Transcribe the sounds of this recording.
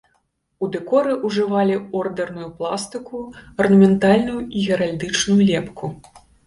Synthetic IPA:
ud̪ɛkɔɾɨʔuʐɨvalʲiɔrd̪ɛrnujuplˠast̪ɨkuɐrnɐmʲɛnt̪alʲnujuiɣʲɛɾalʲd̪ɨt͡ʂnujulʲɛpkʰu

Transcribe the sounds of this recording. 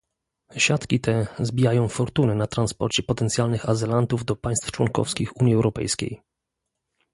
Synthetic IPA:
ɕat̪kʲit̪ʰɛzbʲijajɔ̃w̃fɔɾt̪unɛnat̪ɾanspɔ̰ɾt͡ɕɛpɔt̪ɛnt̪sʲjalnɘxazɘlant̪uvd̪ɔpaj̃st̪ft͡ʂwɔ̰ŋkɔ̰fskʲixuɲjiɛwɾɔpɛ̰jskʲḛj

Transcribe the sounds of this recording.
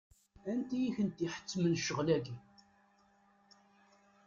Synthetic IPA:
ænt̪ijiçənt̪iħə̥t͡sːmənʃəʁlæɡi

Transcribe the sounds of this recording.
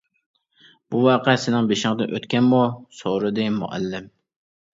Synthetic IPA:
b̥uwɑːqʰɛsɪnɪŋbeʃɪŋd̪ɪnʔøt̪kʲɛnmusoɾɨd̪ɪmṵʔæ̰lːɪm

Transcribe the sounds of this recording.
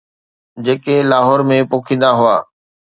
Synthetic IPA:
d͡ʑeːkelaːɦɔːɾmẽpoːkʰĩːnd̪aɦʊa̰ː

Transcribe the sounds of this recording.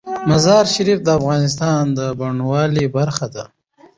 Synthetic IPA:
mazɑːɾʃaɾifd̪əafɣɑːnɪs̬t̪ɑnd̪əbaɳwɑlibaɾxad̪a

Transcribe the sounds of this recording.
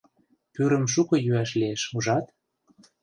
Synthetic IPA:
pyɾə̆mʃ̬ukɤ̆jyæʃlieʃuʒɑt̪

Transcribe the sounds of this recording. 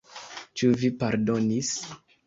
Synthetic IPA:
t͡ʃuvipaɾdo̞nis

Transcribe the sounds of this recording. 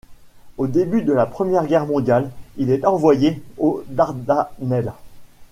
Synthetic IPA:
od̪ebyd̪əlapχəmjɛʁɡʲɛʁmɔ̃d̪jalilɛt̪ɑ̃vwajeod̪aʁd̪anɛl

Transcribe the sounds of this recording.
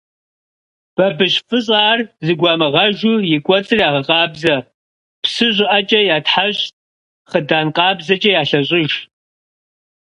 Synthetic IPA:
b̥ɐbɨɕfɨɕ̬ʼaːrzɨɡʷɑːmɐʁɐʒujɪɡʷʼɔt͡sʼɨrjaːʁɐqʼɑːbzɐ | psɨʑʷɪʔɐt͡ʃʼɐjaːtħaɕtʼ | χədaːnqʼɑːbzɐt͡ʃʼɐjaːɬɐɕʷʼɪʒ

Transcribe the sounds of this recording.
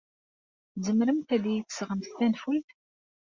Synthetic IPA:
zəmɾəmt̪ælijit͡sːə̥sʁəmθθænfulθ

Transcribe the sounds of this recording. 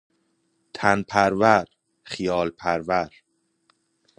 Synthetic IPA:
t̪ʰænpʰæɾvæɾ | xijɒːlpʰæɾvæɾ

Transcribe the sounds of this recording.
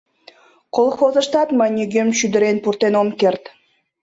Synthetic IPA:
qolˠxozə̆ʃt̪ɑt̪mɑnʲiɡʲemʃyd̪ɘɾenpuɾt̪enomkert̪

